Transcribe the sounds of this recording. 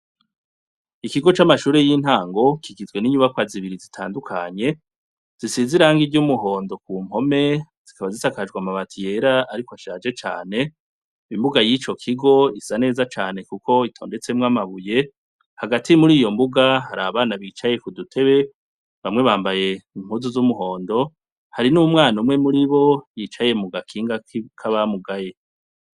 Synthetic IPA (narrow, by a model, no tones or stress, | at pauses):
ikiɡo̞t͡ʃamaʃuːɾe̞jin̥haːŋɡo̞kiɡizwe̞niɲuβakwaziβiɾizitʰa̰ːndukʰaɲe̞ | z̥isiziɾaŋɡiɟumuɦo̞ːndo̞k̚uːm̥ho̞me̞ | z̥ikaβazisakad͡ʒɡwamaβatʰije̞ɾaaɾikoaʃaːd͡ʒe̞t͡ʃa̰ːne̞ | imbuɡajit͡ʃo̞kʰiɡo̞isane̞ːzat͡ʃaːne̞kukʰo̞itʰo̞ːnde̞t͡semŋamaβuje̞ | haɡatʰimuɾiːjo̞mbuɡaɦaɾaβaːnaβiːt͡ʃaje̞kudutʰe̞βe̞ | βamŋe̞βaːmbaje̞im̥huzuzumuɦo̞ːndo̞ | haɾinuːmŋaːnumŋe̞muɾiβo̞jit͡ʃaje̞muɡakʰiːŋɡakʰaβamuɡaje̞